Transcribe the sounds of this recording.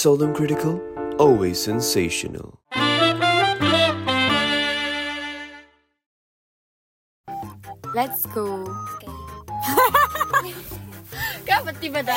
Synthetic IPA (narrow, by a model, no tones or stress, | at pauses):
sɛlˠdə̃mkʰɹ̥ɪɾɪkʰəlˠɔlˠwez̥sɛ̃nseɪʃə̰nə̰lˠ | lɛtsɡ̥o | ɡ̥awət̪ivəda